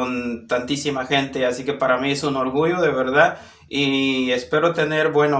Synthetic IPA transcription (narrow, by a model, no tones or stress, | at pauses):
ont̪ant̪isimaxe̞nt̪e̞asike̞paɾamie̞suno̞ɾɣuʝo̞ðe̞βe̞ɾðað | iespe̞ɾo̞t̪e̞ne̞ɾbwe̞no